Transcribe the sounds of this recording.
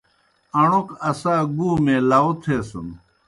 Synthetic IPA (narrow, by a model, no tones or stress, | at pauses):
ɐɳukɐsaːɡuːmẽːlaot̪ʰeːsun